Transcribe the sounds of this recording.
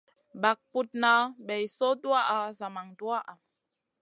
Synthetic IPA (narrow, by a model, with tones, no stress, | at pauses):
ba˨k̚pu˨t̚na˨ɓe˨jso˦du˦a˦ʔa˨za˨ma˨ŋdu˦a˦ʔa˨